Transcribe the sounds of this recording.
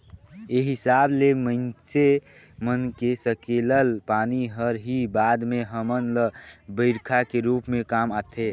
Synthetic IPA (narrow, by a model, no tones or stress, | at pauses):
eɦɪsaːblemə̃nt͡ʃemənkesəkeːləlpaːniɦəɾɦibaːd̪mẽɦəmənləbəɪɾkʰakeɾuːpmẽkaːmaːt̪ʰe